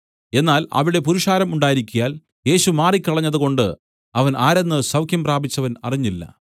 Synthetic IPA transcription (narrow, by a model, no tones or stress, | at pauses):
e̞nːaːlɐ̰ʋiɽe̞puɾuʂaːɾɐmuɳɖaːjiɾikʲːujaːl | e̞ːɕumaːrikʲːɐɭɐɲːɐðɨko̞ɳɖɨ | ɐʋɐnaːɾɐnːɨsɐwkʰjɐmpraːbit͡ɕːɐʋɐnɐriɲːilːɐ̰